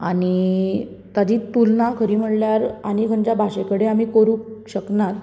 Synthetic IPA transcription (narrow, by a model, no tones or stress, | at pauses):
aɽi | t̪ad͡ʑiːt̪ulnakʰəɾiːm̤əɽljaɾanikʰəɳd͡ʑabʱaɕekəɽeam̤iːkoɾuːkɕəknat̪